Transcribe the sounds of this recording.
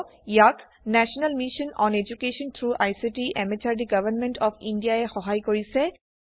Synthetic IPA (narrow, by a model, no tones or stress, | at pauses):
jak | nɛʃɔnalmiʃɔnɔ̰ned͡ʒukeʃɔnt̪ʰɹuʔajsiʈiʔɛmet͡ʃaɹɖiɡʌbənmɛ̃nʈɔfʰḭnɖijaɛxɔɦajkoɹisɛ